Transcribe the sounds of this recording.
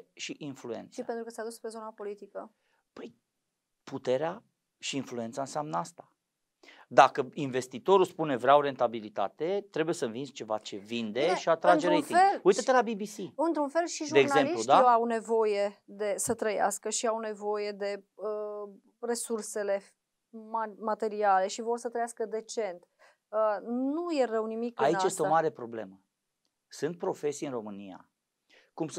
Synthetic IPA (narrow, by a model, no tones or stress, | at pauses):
ʃiʔinflue̞̰nt̪sʃie̞nt̪ɾukəsad̪uspɾezo̞napo̞lit̪ikə | pəj | put̪e̞ɾea | ʃiːnflue̞nt̪saɨnseamnəast̪ḁ | d̪akəinve̞st̪it̪o̞ɾuspune̞vɾeawɾe̞nt̪abilit̪a̰t̪e̞t̪ɾe̞bujesəɨnvinst͡ʃe̞va̰t͡ʃe̞vind̪e̞ʃiat̪ɾand͡ʒeɾet̪ielujt̪aelabibisiɨnt̪ɾunfe̞lʃiʒudeeːɡnazemliud̪aeawne̞vo̞je̞d̪e̞sət̪ɾəja̰skəʃiawne̞vo̞je̞d̪e̞ə | re̞surse̞le̞ | mamat̪e̞ɾiale̞ʃivo̞rsət̪ɾəjaskəd̪e̞t͡ʃe̞nt̪ | ənuje̞rəwnimikɨaiajest̪eomaɾe̞pɾo̞ble̞̰mə | sɨnt̪̚pɾo̞fe̞sijɨnro̞mɨnia̰ | kum